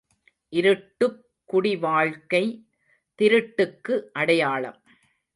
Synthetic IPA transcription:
ʔɪɾɯʈːɯ | kːʊɽɪʋaːɭkɐɪ | t̪ɪɾɯʈːɯkːɯʔɐɽɐjaːɭɐ̰m

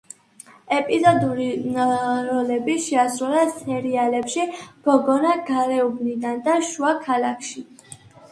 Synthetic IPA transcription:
ɛpʼizɔd̪uɾi | ɾɔlɛbiʃɛasɾulasɛɾialɛpʃiɡ̥ɔɡɔnaɡaɾɛubnid̪and̪aʃuakʰalakʰʃi

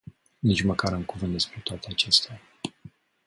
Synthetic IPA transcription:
nit͡ʃməkaɾɨŋkuvɨnt̪d̪espɾe̞t̪oat̪e̞at͡ʃe̞st̪ea

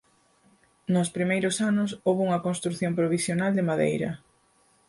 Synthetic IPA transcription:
nʊspɾimejɾʊsanʊsowβouŋɐkonst̪ɾuθjompɾoβisjonald̪ɪmaðḛjɾɐ̰

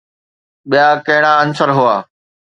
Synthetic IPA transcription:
ɓijakɐɦɪɽ̃ãənsəɾɦʊaː

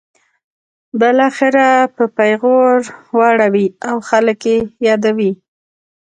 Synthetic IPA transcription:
bɪlɑxɪɾapəpajɣoɾwɑɽawiawxaləkjejɑd̪awi

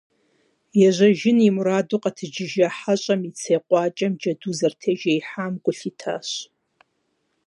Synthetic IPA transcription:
jaʒʷaʒɪnimuɾadʊqʼatʰɨd͡ʒɪʒaħaɕʷʼamit͡sʰejqʷʼat͡ʃʼamd͡ʒaduzartʰeʒejħamɡʷʼʊɬitʰa̰ʃʷ

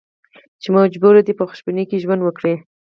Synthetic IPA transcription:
t͡ʃemad͡ʒbuɾad̪ipəxʊ̥ʃbinekeʒwand̪wəkɽe

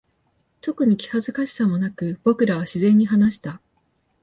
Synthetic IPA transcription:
t̪o̞kɯ̟ɲ̟ikʲi̥hazɨkaɕi̥samo̞nakɯ̟b̥o̞kɯ̟ɾaβaɕizẽ̞ɲ̟ːiɦanaɕi̥t̪a

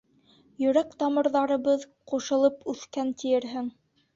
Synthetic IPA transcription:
jɵ̆ɾækt̪ɑmɤ̆ɾðɑɾɤ̆βɤð | quʃɤ̆lˠɤpʉθkænt̪ijɘ̆ɾɦɘŋ

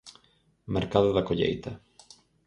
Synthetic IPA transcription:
meɾkaðʊðɐkoʎḛjt̪ɐ

